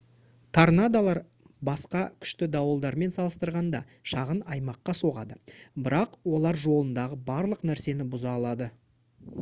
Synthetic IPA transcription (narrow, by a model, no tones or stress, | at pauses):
t̪ʰaɾnad̪alˠɑɾ | bɑsqɑkʲʰʏ̥ʃt̪ɪd̪ɑwəlˠd̪ɑɾme̞nsɑlˠəst̪əɾʁɑnd̪ɑ̰ | ʃɑʁənɑjmɑqːɑso̞ʁɑ̰d̪əbɪɾɑqwo̞lˠɑɾʒo̞lˠənd̪ɑʁəbɑɾlˠəqnæɾse̞nɪbʊzɑːlˠɑd̪ə